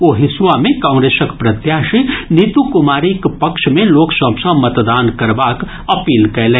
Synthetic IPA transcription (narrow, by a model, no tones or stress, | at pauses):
oːɦɪswamẽkãʊ̃ŋɡɾesəkpɾəd̪jaːʃinit̪ukʊmaːɾikpɐkʃmẽloːksəbsə̃mət̪d̪aːnkɐɾbak | ɐpiːlkɐlẽː